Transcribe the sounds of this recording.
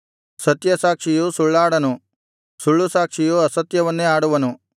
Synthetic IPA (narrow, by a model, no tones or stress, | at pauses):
sɐt̪jɐsaːkʂijusuɭːaːɽɐnu | suɭːusaːkʂijuɐsɐt̪jɐʋɐnːeaːɽuʋɐnu